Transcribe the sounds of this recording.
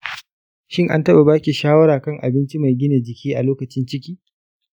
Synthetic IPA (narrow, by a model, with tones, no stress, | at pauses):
ʃɪ˦ŋʔa̰˦ntɐ˦ɓa˨baː˦kʲi˨ʃaː˦wɐ˦ɾaː˨kɐ˦˨ŋʔa̰˨bɪ˦nt͡ʃi˦ma˨jɡʲɪ˦ne˨d͡ʒɪ˨kʲʰiː˦ʔa˨loː˦kɐ˨t͡ʃɪ˦nt͡ʃɪ˦kʲiː˦